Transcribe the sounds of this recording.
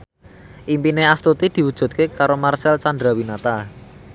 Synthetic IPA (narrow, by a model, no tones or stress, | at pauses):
ʔimpineast̪ut̪id̪̥i̤wud̥ʒ̥ṳt̪̚kekaɾomarsɛlt͡ʃand̪ɾawinat̪a